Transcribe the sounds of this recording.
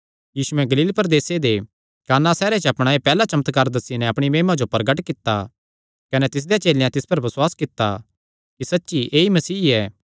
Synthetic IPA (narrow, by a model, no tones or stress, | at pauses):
jiːsuɛ̃ɡɐliːlpɐɾd̪eːsed̪e | kaːnãsɛːɾet͡ʃɐpɽ̃aːepɛːlat͡ʃɐmət̪kaːɾd̪ɐsːinɛɐpɽ̃imeːmad͡ʒopɐɾɡəʈkɪt̪ːa̰ | kɐnɛt̪ɪs̬d̪ejat͡ʃeːlejãt̪ɪspɐɾbɐswaːskɪt̪ːa̰ | kisɐtːʃiʔeːimɐsiːɛː